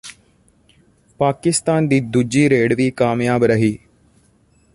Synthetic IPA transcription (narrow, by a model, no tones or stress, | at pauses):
paːkɪst̪aːnd̪iːd̪ʊd͡ʒiːɾeːɖʋiːkaːmjaːbɾəɦiː